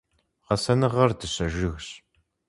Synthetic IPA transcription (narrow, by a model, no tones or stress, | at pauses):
ʁɐsɐnɨʁɐrdɨɕɐʒɨxɕ